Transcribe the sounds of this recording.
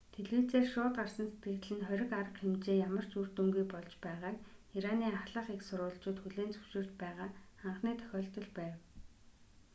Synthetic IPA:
t̪ʰeɮiːt͡seːrʃʊːt̪arsə̆nse̥t̪̚ɡɘ̆t̪ɮɘ̆nχœɾʲɪ̆kaɾə̆qxemt͡ɕeːjamə̆r̥t͡ɕur̥t̪ɵŋɡujpɔɮt͡ɕpæːʁaːkiɾaniːaɮə̆χiksʊɾʊːɮt͡ɕʊːt̪xuɮeːnt͡sɵ̥wʃɪ̆r̥t͡ɕpæːʁaːχaɴχniːt̪ʰœ̥xʲɔːɬt̪ɞ̆ɮpæːw

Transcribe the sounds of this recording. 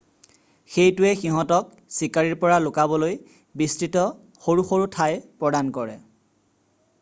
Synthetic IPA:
xejtʊɛxiɦɔ̃tɔk̚ | sikaɹiɹpɔɹalʊkabɔloj | bistɹitɔ | xoɹuxoɹutʰajpɹɔdankɔɹɛ

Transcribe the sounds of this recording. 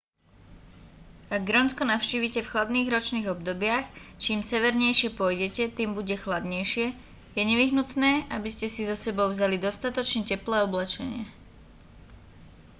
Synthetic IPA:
aɡ̚ːɾɔnskɔnaʊʃciːʋicɛfxlad̪niːɣɾɔt͡ʃniːɣɔbd̪ɔbɪaxt͡ʃiːmsɛʋɛɾɲɛjʃɪɛpʊɔjɟɛcɛt̪iːmbuɟɛxlad̪ɲɛjʃɪɛ | jɛɲɛʋiɦnut̪nɛːʔabiscɛsizɔsɛbɔʊvzalid̪ɔst̪at̪ɔt͡ʃɲɛcɛplɛːɔblɛt͡ʃɛɲɪɛ̰

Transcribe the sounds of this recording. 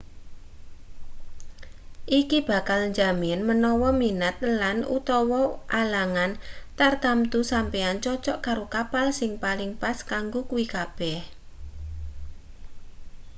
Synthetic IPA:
ʔikib̥a̤kalɲd͡ʒaminmənɔwɔminat̪̚lanṵt̪ɔwɔʔalaŋant̪ard̪̥amt̪usampeant͡ʃɔt͡ʃɔʔkaɾokapalsɪŋpalɪŋpaskaŋɡokuwikab̥ɛh

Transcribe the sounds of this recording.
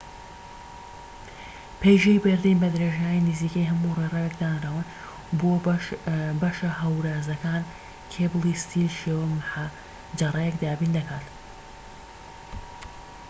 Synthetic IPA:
pʰejʒɐjbɐɾd̪inbɐd̪ɾeːʒaːjiniziːkɐjɦɐmurerɛwekd̪aːnɐɾaːwɨn | bo | bɐʃɐɦɐwɾaːzɐkaːn | kʰeːblˠist̪ʰiːlʃewɐmħa | d͡ʒɐrɐjɛkd̪aːbiːnd̪ɐkaːt̪

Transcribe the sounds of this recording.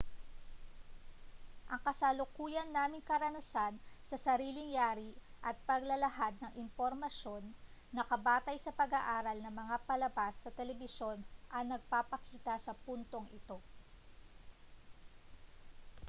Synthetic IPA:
ʔɐŋkɐsalʊkuːjɐnːaːmɪŋkɐɾɐnɐsansɐsɐɾiːlɪŋjaːɾiʔɐt̪̚pɐɡlɐlɐɦad̪̚nɐŋʔɪmpoɾmɐʃo̞nːɐkɐbaːt̪ɐjsɐpɐɡaʔaːɾɐlnɐŋmɐŋapɐlɐbasːɐt̪ɛlɛbɪso̞nʔɐnɐɡ̚papɐkiːt̪ɐsɐpunt̪o̞ŋʔɪt̪o̞

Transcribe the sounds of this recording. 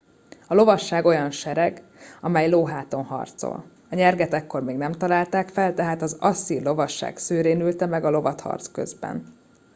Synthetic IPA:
ɒlo̞vɒʃːaːɡo̞jɒnʃɛɾɛɡ | ɒmɛjloːɦaːt̪o̞nɦɒ̰rt̪so̰l | ɒɲɛrɡɛt̪ɛkːo̞rmeːɡnɛmt̪ɒlaːlt̪aːkfɛlt̪ɛɦaːt̪ɒzɒsːirlo̞vɒʃːa̰ːɡsøːɾeːnylt̪ɛmɛɡɒlo̞vɒt̪hɒ̰rt̪skø̞̰zbɛ̰n

